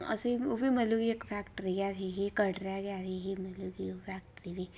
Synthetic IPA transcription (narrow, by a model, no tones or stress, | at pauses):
ɐ̰seobʱimɐluɡiekpʰɛːkʈɾiɡjat̪ʰiɦikɐɽɾaɡjat̪ʰiɦimɐluɡipʰɛːk̚ʈɾibʱi